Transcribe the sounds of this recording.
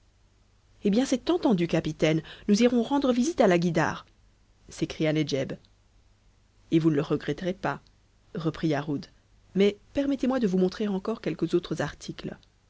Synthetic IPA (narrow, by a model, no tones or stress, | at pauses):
ebjɛ̃sɛt̪ɑ̃t̪ɑ̃d̪ykapit̪ɛnnuziʁɔ̃ʁɑ̃d̪ʁəvizit̪alaɡʲid̪a̰ːʁ | sekχijaned͡ʒɛb | evunələʁəɡʁɛt̪ʁepa | ʁəpχiaʁud̪ | mɛpɛʁmɛt̪emwad̪əvumɔ̃t̪χeʁɑ̃kɔʁkʲɛlkəzot̪χəzaʁt̪ʰikl